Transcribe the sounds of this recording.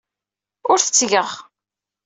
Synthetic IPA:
ʊɾθət͡sːʝəʁ

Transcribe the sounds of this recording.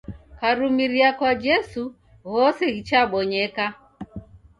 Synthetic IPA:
kaɾumiɾiakwad͡ʒɛsu | ɣɔsɛɣit͡ʃaɓɔɲɛka

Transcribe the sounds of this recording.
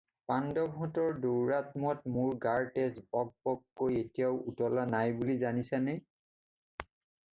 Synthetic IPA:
pandɔbʱɦũtɔɹduwɹatmɔtmʊɹɡaɹtesbɔɡ̚bɔkkːojetijaʊutɔlanajbulizanisanɛ

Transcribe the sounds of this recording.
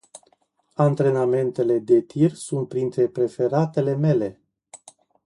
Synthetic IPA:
ant̪ɾe̞name̞nt̪e̞le̞d̪e̞t̪ʰirsunt̪̚pɾint̪ɾe̞pɾe̞fe̞ɾat̪e̞le̞me̞le̞

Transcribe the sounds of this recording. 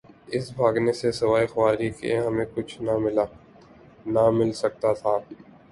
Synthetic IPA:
ɪsbʱaːɡnesesɐʋaːixʋaːɾikḛɦɐmẽkʊt͡ʃʰnamɪla | namɪlsɐk̚t̪at̪ʰaː

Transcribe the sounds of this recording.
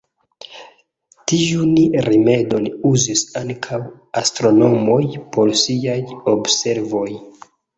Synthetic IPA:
tijunɾime̞do̞nuzisaŋkʰaw | astɾo̞no̞mo̞jpo̞ɾsiajobse̞ɾvo̞j

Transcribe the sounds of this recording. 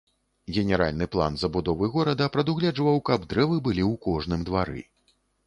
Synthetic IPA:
ɣʲɛnʲɛɾa̰lʲnɨplˠa̰nzɐbud̪ɔvɨɣɔɾɐd̪ɐpɾɐd̪uɣlʲɛd͡ʐvɐwkɐbd̪ɾɛvɨbɨlʲiwkɔʐnɨmd̪vaɾɨ̰

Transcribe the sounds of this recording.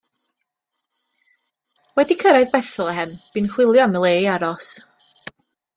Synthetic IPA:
wɛdikʰəɾajðbɛθɔlˠɛhɛmb̥iːnχwɪlˠjɔaməlˠeːaɾɔs

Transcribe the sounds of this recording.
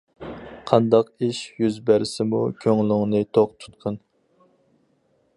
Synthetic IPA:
qʰɑnd̪ɑqiʃjyzbæɾɪsɪmṵkʲʰøŋlɪŋnɨt̪ʰoq̚t̪ʰu̥t̪̚qʰən

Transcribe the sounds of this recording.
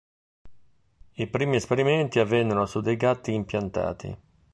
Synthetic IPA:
ipɾiːmiɛspeɾimɛnt̪iavːɛnːɛɾosud̪ːejɡat̪ːiːmpjant̪a̰ːt̪ʰḭ

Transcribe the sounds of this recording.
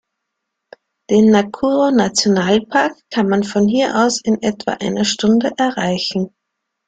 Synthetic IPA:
d̥eːnːakʰuːʁonat͡sjonaːlpʰaɐkʰːanmanfɔnhiːɐʔa̰ʊsɪnʔɛtv̥a̰ːʔaɪnɐʃtʊndəʔɛɐʁaɪçn̩

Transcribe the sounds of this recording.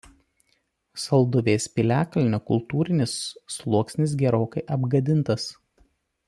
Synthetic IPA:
sɐlˠd̪ʊʋʲeːsʲpʲɪlʲæːkɐlʲɪnʲoːkʊ̰lˠt̪uːɾʲɪnʲɪsːlˠuɔksʲnʲɪs̬ɡʲɛɾoːkɐɪʔɐbɡɐd̪ʲɪnˑt̪ɐs

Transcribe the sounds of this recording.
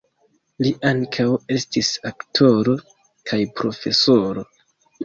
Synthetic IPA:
liʔaŋkʰawe̞stisaktʰo̞ɾo̞ | kʰajpɾo̞fe̞soɾo̞

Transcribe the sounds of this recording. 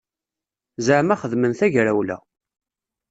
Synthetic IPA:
zəʕmæχəðmənθæʝɾæwlæ̰

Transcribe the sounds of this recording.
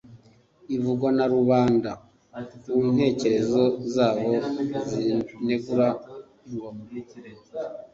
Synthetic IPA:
ivuɡwanaɾuβaːnda | un̥he̞ːce̞ɾe̞zo̞zaːβo̞zine̞ɡuɾa

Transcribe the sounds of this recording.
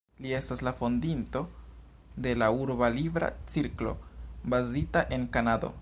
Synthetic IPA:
lie̞staslafo̞ndinto̞ | de̞lauɾbalibɾa̰t͡siɾklo̞̰bazitaʔe̞nkanado̰

